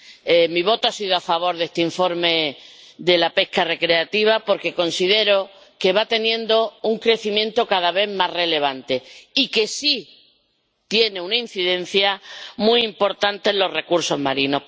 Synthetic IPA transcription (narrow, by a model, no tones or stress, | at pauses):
emiβ̞o̞t̪oasiðoafaβ̞o̞ɾðe̞st̪eiɱfo̞ɾme̞ | ðe̞lape̞hkare̞kɾe̞at̪iβ̞apo̞ɾke̞ko̞nsiðe̞ɾo̞ | ke̞βat̪e̞njẽ̞nd̪o̞uŋkɾe̞θimjẽ̞nt̪okaðaβe̞ðmasre̞le̞β̞ant̪e̞ike̞si | t̪je̞neunain̟θiðẽ̞n̟θjamuiimpo̞ɾt̪ant̪e̞nlo̞rre̞kuɾso̞ɦmaɾino̞